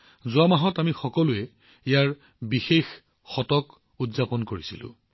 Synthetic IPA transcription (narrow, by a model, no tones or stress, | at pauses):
zʊamaɦɔtamixɔkɔlʊɛ | ejaɹ | bixex | xɔtɔk | udzapɔnkoɹisilʊ̰̃